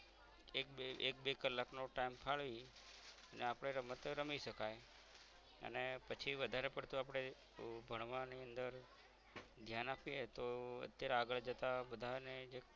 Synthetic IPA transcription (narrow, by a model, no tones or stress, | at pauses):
ekeek̚bekəlːaknoʈaimpʰaɭʋi | əneapɽ̃eɾəmət̪ɾəmiʃəkaj | ə̰nepət͡ʃʰiʋəd̪ʱaɾepəɾt̪uapɽ̃e | bʱəɳʋãniənd̪əɾ | d̪ʱjanapiet̪oə̰t̪jaɾeaɡəɭd͡ʒət̪abəd̪ʱaned͡ʒe